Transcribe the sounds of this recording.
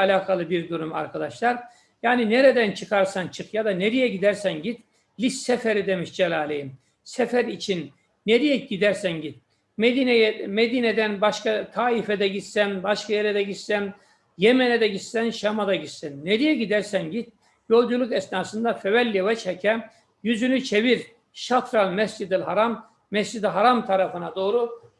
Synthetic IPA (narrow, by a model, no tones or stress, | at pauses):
alʲaːkʰalˠɯbiɾd̪uɾuma̰ɾkʰad̪aʃlˠaɾ | jaːnineɾed̪ænt͡ʃʰɯkʰaɾsant͡ʃʰɯkjad̪aneɾijɛɟid̪æɾsænɟit̪ | lʲisɛfeɾid̪e̞miʃd͡ʒelʲˠaːlʲejim | sɛfæɾit͡ʃʰinː | eɾijɛɟid̪æɾsænɟit̪̚ | med̪inejɛmed̪iːned̪ænbaʃkakʰaːifeɛd̪ɛɟit̪sænbaʃkajeɾɛd̪ɛɟit̪sæn | jemɛnɛd̪ɛɟit̪sænʃamad̪aɟit̪sɛnːeɾijɛɟid̪æɾsænɟit̪̚ | jo̞lˠd͡ʒulˠukɛsnaːsɯnd̪afevɛlʲːevɛt͡ʃʰhɛcʰɛ | jyzynyt͡ʃʰeviɾ | ʃat̪ɾalʲmɛsd͡ʒid̪ilhaɾamː | ɛsd͡ʒid̪iɦaɾamt̪ʰaɾafɯnad̪oːɾu